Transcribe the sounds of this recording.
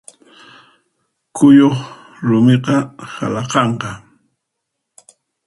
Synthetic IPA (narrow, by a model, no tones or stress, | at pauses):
kʊjoχ | ɾʊmeqɑha̰lɑqɑɴqɑ